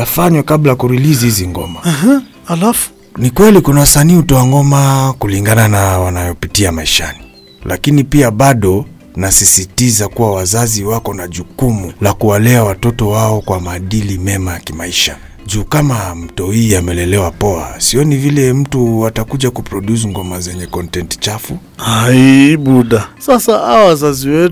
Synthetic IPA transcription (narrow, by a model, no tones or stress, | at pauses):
afaɲwɛkablajakuɾilizihiziŋɡɔ̰ma | alafu̥ | nikwɛlikunawasaniːhutɔaŋɡɔmakuliŋɡananawanajɔpitiamaiʃa̰ni | lʔa̰kinipiaɓaɗɔ | nasisitizakuwawazaziwakɔnaʄukumulakuwalɛawatɔtɔwaɔkwamaːɗilimɛmajakimaiʃa̰ | ʄuːkamam̩tɔhiːamɛlɛlɛwapɔa̰siɔnivilɛm̩tuatakuʄakupɾɔɗus̬ŋɡɔmazɛɲɛkɔntɛntt͡ʃafu | haiɓuɗasasaaɔwazaziwɛ